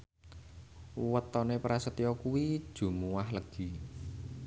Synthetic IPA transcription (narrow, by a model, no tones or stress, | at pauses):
wət̪ɔnepɾasət̪ijɔkuwid̥ʒ̥ṳmuwahləɡ̥i̤